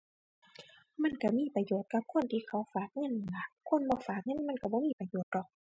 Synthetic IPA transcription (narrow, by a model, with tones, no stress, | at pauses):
ma˧˥˨nka˧˩miː˧˥˨pa˧joː˨˩t̪̚ka˧˦p̚kʰo˧˥˨nt̪ʰiː˧˨kʰa˧˩˨wfaː˨˩k̚ŋɤ˧˨n˨la˧˩kʰo˧˥˨nbɔː˧˨faː˨˩k̚ŋɤ˧˥˨nma˧˥˨nka˧˩bɔː˧˦miː˧˥˨pa˧˨joː˨˦t̪̚dɔ˧˨k̚